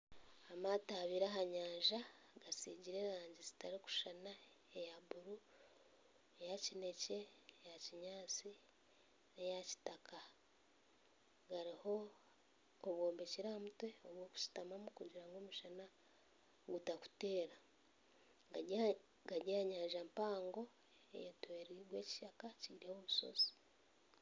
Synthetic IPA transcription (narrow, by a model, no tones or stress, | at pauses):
amataβiːɾaɦaɲaːʒa | ɡasiːɟiɾe̞ɾaːɲɟizi̥taɾiku̥ʃana | ejaβuɾu | ejacine̞ce̞jaciɲaːt͡si | nejaci̥takʰa | ɡaɾiho̞ | oβwoːmbeciɾamutwe̞oβwo̞ːku̥si̥tamamukuɟiɾaŋɡoːmuʃana | ɡutaku̥te̞ːɾa | ɡ | ɡaɟaɲaːʒampaːŋɡo̞ | ḛjetweɾiɡwe̞ːci̥ʃakaciɾehoβuso̰zi̥